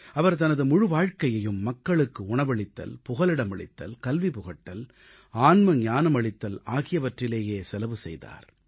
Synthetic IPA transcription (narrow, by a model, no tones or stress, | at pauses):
ɐʋɐɾt̪̬ɐnɐðɯmʊɻɯʋaːɻkɐjɐjɯmːɐkːɐɭɯkːɯʊɳɐʋɐɭɪt̪ːɐ̰lpʊɣɐlɪɽɐmɐɭɪ̰t̪ːɐ̰lkɐlʋipʊɣɐʈːɐl | aːnmɐɲaːnɐmɐɭɪt̪ːɐlaːɣɪjɐʋɐʈrɪleːjeːsɛlɐʋɯsɛ̰jða̰ːɾ